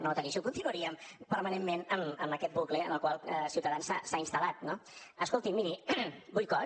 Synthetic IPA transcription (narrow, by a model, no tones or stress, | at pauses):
not̪əniʃukunt̪inuəɾiəmpəɾmənemmenəməməkɛt̪̚bukleənəlˠkwalˠəsiwt̪əðansa̰sainst̪əlat̪̚noəskolˠt̪imːiɾibujkɔ